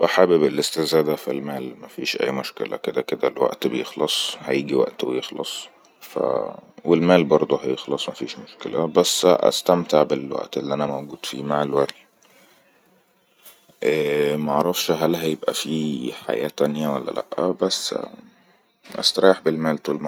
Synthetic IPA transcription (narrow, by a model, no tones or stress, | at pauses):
baħæːbebelʔest̪ezæːd̪æfilmæːlmæfiːʃʔæ̰jːmoʃkḛlæ̰ked̪æked̪ælwæ̰ʔt̪bejexlɑsˤhæjiːɡiwæ̰ʔt̪wejexlɑ̰sˤ | fæ̰welmæːlbɑɾˤd̪ˤoɦæjexlɑsˤmæfiːʃmoʃkelæbæsːʔæ̰st̪æmt̪eʕbelwæ̰ʔt̪elːiʔænæmæwɡuːd̪̥fḭːmaʕelwæɾi | ʔæːmæʔʕɾˤɑfʃɦælɦæjebʔæfiːħa̰jæ̰ːt̪ænjæwælːæ̰læ̰ʔːæbæsː | ʔæ̰st̪ɑɾˤɑːeħbelmæːlt̪uːlm